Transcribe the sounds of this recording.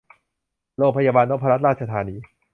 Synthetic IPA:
ɾoː˧ŋpʰa˧jaː˧baː˧nɾo˦˥pʰa˧ɾa˦˥ɾaː˥˩t̪̚t͡ɕʰa˧t̪ʰaː˨˧˦niː˧˦

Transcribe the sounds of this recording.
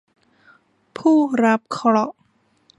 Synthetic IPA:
pʰuː˥˩ɾa˦˥p̚kʰɔ˧ɾɔ˧˩ʔ

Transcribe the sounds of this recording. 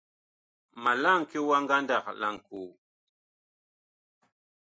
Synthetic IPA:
ma˨la˦˨ŋke˦wa˦ŋɡa˦nda˨kla̰˨ŋku˨

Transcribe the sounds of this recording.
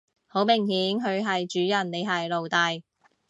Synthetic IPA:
ho˨˥wmɪ˨˩ŋhiː˨˥ŋɦɵ˨˧ɥɦɐ˨jt͡ʃyː˨˥jɐ˨˩nne˨˧jɦɐ˨jlo˨wt̪ɐ˨˧j

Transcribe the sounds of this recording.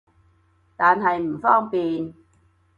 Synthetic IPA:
t̪aː˨nɦɐ˨jm̩˨˩fɔː˥ŋpiː˨n

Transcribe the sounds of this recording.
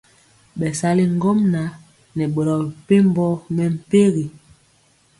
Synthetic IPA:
ɓɛ˨sa˨li˦ŋ˦ɡo˦mna˨˦ | nɛ˨ɓo˨ɾɔ˨pe˦m˦bɔ˦mɛ˨m̩˨pe˦ɣi˨

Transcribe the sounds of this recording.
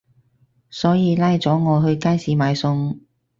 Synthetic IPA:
sɔː˨˥jiː˨˧laː˥jt͡sɔː˨˥ŋɔː˨˧ɦɵ˧ɥkaː˥jsiː˨˥maː˨˧jsʊ˧ŋ

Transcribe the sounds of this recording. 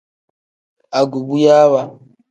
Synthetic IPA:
a˨ɡu˨bu˦ja˦wa˦

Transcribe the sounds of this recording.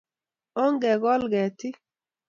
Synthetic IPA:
o˦ŋɡɛ˨ɡɔ˦lɡɛ˨tɪ˦

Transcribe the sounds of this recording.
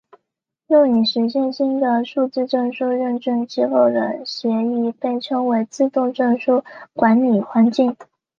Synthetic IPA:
jʊ˥˩ŋni˨˩ʂɻ̩˧˥ɕjɛ˥˧nɕi˥nd̪ə˨ʂu˥˧t͡sɹ̩˥˧ʈ͡ʂɤ˥˧ŋʂu˥ɻə˥˧nʈ͡ʂɤ˥˩ŋt͡ɕ̩˥xo˥˩ʊd̪ə̰˩ɕjɛ˧˥i˥˧pe˥˩ɪʈ͡ʂʰɤ˥ŋwe˧˥ɪt͡sɹ̩˥˧t̪ʊ˥˧ŋʈ͡ʂɤ˥˧ŋʂu˥˩kwa˧˥nli˨˩xwa˧˥nt͡ɕi˥˩ŋ

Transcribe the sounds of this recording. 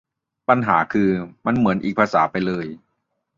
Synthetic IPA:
pa˧nɦaː˩˦kʰɯː˧ma˧nmɯ˩˦ənʔiː˨˩k̚pʰaː˧saː˩˦pa˧jlɤː˧j

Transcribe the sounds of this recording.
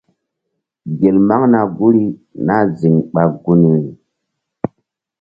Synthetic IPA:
ɡe˨lma˦ŋna˨ɡu˦ɾi˦na˦zi˨ŋɓa˨ɡu˦n˨wi˨

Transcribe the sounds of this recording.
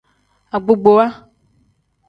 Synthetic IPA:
a˨ɡ͡bo˨ɡ͡bo˨wa˦

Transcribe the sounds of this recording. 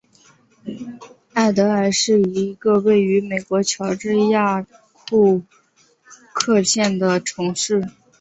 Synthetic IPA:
a˥˩ɪt̪ɤ˧˥a˧˩ʂɻ̩˥˩˧i˧˥ɡə˧we˥˩ɪy˧˥me˨˩ɪkwɔ˧˥t͡ɕʰjɑ˧˥ʊʈ͡ʂ̩˥˧ja˥˧ | tʰu˥˧ | kʰɤ˥˧ɕʰjɛ˥˩nd̪ə˩ʈ͡ʂʰɤ˧˥ŋʂɻ̩˥˩

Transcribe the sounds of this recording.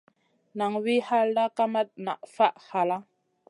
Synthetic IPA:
na˨ŋwi˦ha˦lda˦ka˦ma˦t̚na̰˨ʔfa˦ʔha˨la˦

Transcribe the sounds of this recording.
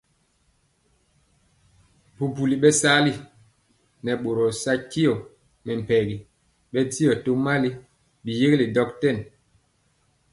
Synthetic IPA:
pu˨pu˨li˨ɓɛ˦sa˦li˦ | nɛ˨ɓo˨ɾɔ˨sa˦ki˦jɔ˨ | mɛ˨m̩˨pɛ˨ɡi˨ | ɓɛ˦ti˦ɔ˨to˦ma˦li˦ | ɓi˨je˦ɡli˨dɔ˦ktɛ˦˨n

